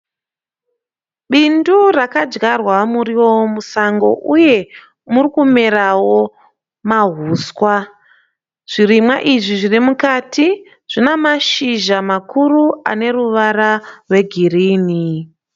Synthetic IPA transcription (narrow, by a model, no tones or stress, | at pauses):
ɓindurakad͡ʒɡarwamuriwowomusaŋɡo̞̰ʔuje̞ | murikumeɾawo̞ | maɦuːswa | ʐ̥iɾimwaʔiʐiʐirimukatʰi | ʐ̥inamaʃiʒamakurua̰ne̞ruʋaɾarwe̞ɡʱiriːni